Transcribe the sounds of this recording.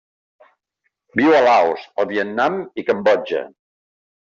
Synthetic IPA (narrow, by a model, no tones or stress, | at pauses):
biwəlawsəlˠβiət̪namikəmbɔd͡ʒə̰